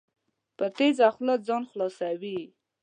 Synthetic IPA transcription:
pət̪ezaxlat̪̚zɑnxlɑsawi

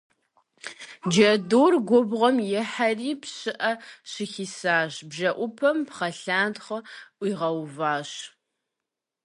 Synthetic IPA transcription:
d͡ʒɐdoːrɡʷɔbʁʷɔmjɛħariːpɕɨʔɐɕɪxiːsaːʑbʒɐʔʷʊpʰɐmpχɐɬaːndχɐʔʷiːʁɐwvaːɕ

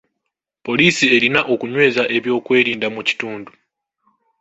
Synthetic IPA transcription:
po̞liːsie̞linaʔo̞kuɲwe̞ːzaʔe̞βjo̞ːkwe̞ːɾiːndamuci̥tuːndu

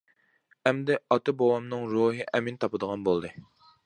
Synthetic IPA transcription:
ɛmd̪ɛɑt̪ɨbɑwɑmnɨŋɾuɦɨʔɛmint̪ʰɑpɨd̪əʁɑnbolˠd̪ɨ

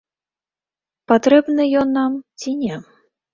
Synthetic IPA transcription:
pat̪ɾɛbnɨjɔnːamt͡sʲinʲɛ

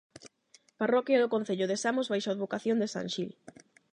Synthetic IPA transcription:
parɔkjaðokon̟θeʎʊðesamozβajʃaoðβokaθjond̪esa̰ŋʃil

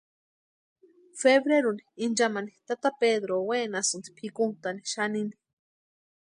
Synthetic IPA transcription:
feβɾeɾuniind͡ʒamanit̪at̪apeðɾowenasunt̪i̥pʰikunt̪ani̥ʃanini̥

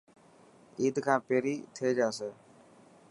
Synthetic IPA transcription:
iːd̪kʰãːpeːɾiːt̪ʰeːd͡ʒaːse

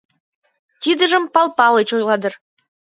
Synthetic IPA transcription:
t̪ʲid̪ə̆ʒə̆mpɑlˠpɑlet͡ɕojlˠɑd̪ɤ̆r

